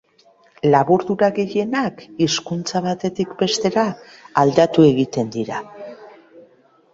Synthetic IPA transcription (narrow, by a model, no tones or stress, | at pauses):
laβuɾðuɾaɣe̞je̞nakiskunt͡saβ̞at̪e̞t̪ikbe̞st̪e̞ɾaːld̪at̪ue̞ɣit̪e̞nd̪iɾa